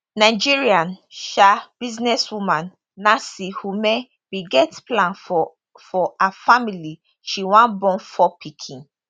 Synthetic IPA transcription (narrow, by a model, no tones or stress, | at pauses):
nad͡ʒiɹiãnʃab̥iznɛswumãnː | asihume | biɡɛtplãnɔ | fɔafamili | ʃiwãnbɔ̃nfɔpʰikʰĩn